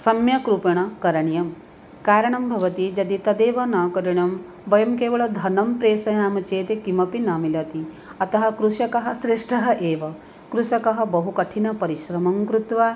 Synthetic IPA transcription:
sɐmjɐkɾupɐɳɐkɐɾɐɳjɐm | kaːɾɐɳɐmbʱɐʋɐt̪id͡ʒɐd̪it̪ɐd̪eːʋɐnaːkɐɾiɳ̃ɐm | ʋɐjɐmkeːʋɐɭɐd̪ʱɐnɐmpɾeːsɐjaːmɐt͡ʃeːt̪ekimɐpinaːmilɐt̪i | ɐt̪ɐɦɐkɾuʃɐkɐɦɐsɾeʂʈʰɐɦɐʔeːʋɐ | kɾuʃɐkɐɦɐ̆bɐɦukɐʈʰinɐpɐɾiʃɾɐmɐmkɾut̪ʋaː

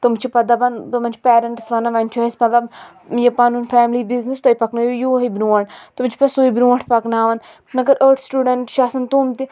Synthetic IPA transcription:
t̪umt͡ʃʰipɐd̪abɐnt̪umɐnt͡ʃʰpɛːɾɐɳʈsʋɐnaʋɐnt͡ʃʰuesmɐt̪lɐb | jɐpaːnuːnfɛːmlibiznist̪ɐipɐknajojoːɦibɾuːɐʈt̪umt͡ʃʰi̥pɐsoːibɾũːɐʈʰpɐknaːʋɐn | nɐɡɐɾʔəːɾʈʰsʈuːɖɐɳʈʃaːsɐnt̪uːmt̪i

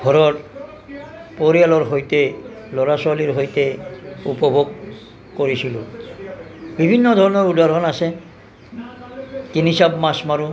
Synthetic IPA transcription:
ɡʱɔɾɔt | poɾialɔɾɦojt̪e | lɔɾasaliɾɦojt̪eupɔbʱoɡ | koɾisʰilo | bibʱinːɔd̪ʱɔɾɔnɔɾudʱaɾɦɔnase | kinisabmasmaɾu

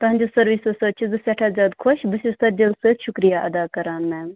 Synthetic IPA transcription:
t̪ɐɦɐ̃ɲʲd͡ʒoːsɐɾʋiːsosɐt͡ʃʰizɨsɛʈʰaːzʲaːd̪kʰoʃbɨsusɐɾd͡ʒɐlsəʃʊkɾijaʔɐd̪aːkɐɾaːnmɛːm

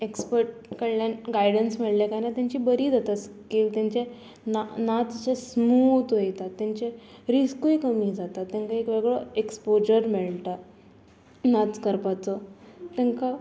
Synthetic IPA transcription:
ekspəɾʈ̚kəɽljanɡajɽənsmɛɭljakajnat̪jãɲt͡ɕiːbəɾiːd͡zat̪askiːlt̪jãɲt͡ɕe | nanat͡s̪t͡ɕesmut̪ɦojt̪at̪ːjãɲt͡ɕeɾiskujkəmiːd͡zat̪at̪ːãŋkaekʋeɡɭɔekspod͡ʑəɾmɛɭt̪a | nat͡skəɾpat͡sɔt̪jãŋka

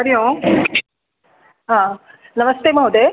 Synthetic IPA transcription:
ɐɾijõː | ɦãː | nɐmɐst̪emɐɦod̪e

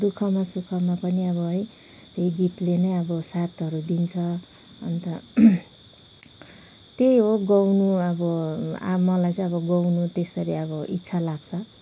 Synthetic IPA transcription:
d̪ukʰʌmasukʰʌmapʌniʌβʌɦʌj | t̪eiɡit̪lenʌjʌbʌsat̪ʌɾud̪int͡sʰʌ | ʌ̰nt̪ʌ | t̪ejɦoɡʌwnuʌbʌa̰mʌlajt͡sʌ̃ʌβʌɡʌwnut̪esʌɾiʌbʌʔitːsʰalaɡt͡sʰʌ

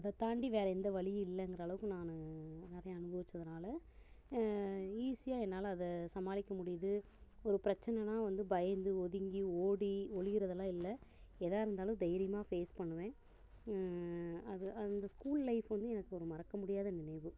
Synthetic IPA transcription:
ɐðɐt̪aːɳɖiʋeːɾɐɛnd̪ɐʋɐɭɪjɪlːɛŋɡɾaːlɐʋɯkːɯnaːnɯnɛɾɐjɐ̃ɐnɯbɐʋɪt͡ʃːɾɐðɐnaːlɐ | iːsɪjaːɛnːaːlɐːðɐsɐmaːlɪkːɐmʊɽɪjɐðɯ | ɔɾɯpɪɾɐt͡ʃːɐnɛnãːʋɐnd̪ɯbɐjɐnd̪ɯɔðɪŋɡioːɽiɔɻɪɣɪɾɐðɐlãːɪlːɐɛðaːɪɾɯnd̪aːlɯ̃d̪ɐjɪɾɪjɐmaːfeːspɐɳːɯʋẽː | ɐðɯɐnd̪ɐskuːllɐɪfʋɐnd̪ɯɛnɐkːɯɔɾɯmɐɾɐkːɐmʊɽɪjaːðɐnɪnɐɪʋɯ

